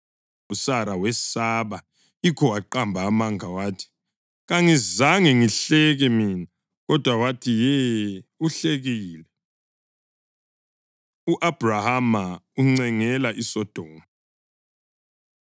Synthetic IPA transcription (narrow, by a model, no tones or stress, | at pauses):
usaɾawɛsaβa | ikʰɔwaǃambʱaːmaŋʱawaːtʰi̥ | ɣaŋizaŋɛŋiɬɛɣɛmiːna | ɣɔd̥ʱwawatʰijɛuɬeɣiːlɛ | uʔab̥ʱrahamauŋ͡ǀɛŋɛlaʔisɔd̥ʱɔːna